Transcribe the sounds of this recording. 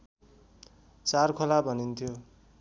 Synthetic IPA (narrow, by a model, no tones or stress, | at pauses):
t͡sarkʰolabʱʌnint̪ʰijo